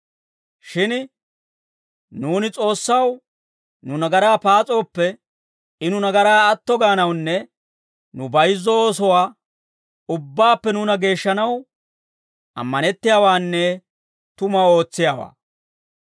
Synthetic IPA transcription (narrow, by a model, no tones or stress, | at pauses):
ʃɪn | nuːnɪt͡sʼo̞ːsːɐw | nʊnɐɡɐɾaːpaːt͡sʼo̞ːpːɛ | ɪnʊnɐɡɐɾaːɐt̪ːɔɡaːnɐwnːɛ | nʊbɐjzːɔoːsɔwaː | ʊbːaːpːɛnuːnɐɡe̞ːʃːɐnɐw | ɐ̰mːɐnɛt̪ːɪjaːwaːnːɛ | t̪ʊmɐwo̞ːt͡sːɪjaːwa̰ː